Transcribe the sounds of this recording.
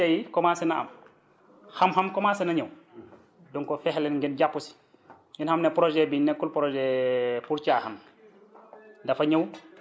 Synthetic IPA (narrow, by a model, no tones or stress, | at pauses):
ɐjikɔmasɛnaɐ̰m | xɐmɦɐmkɔmasɛnɐɲɐw | dɔŋkɔfɛhlɛnŋɡɛnɟapːusi̥ | jinhɐmnɛpɾɔʒɛbinɛkːulpɾɔʒɛpuɾcahɐm | dɐfɐɲɐw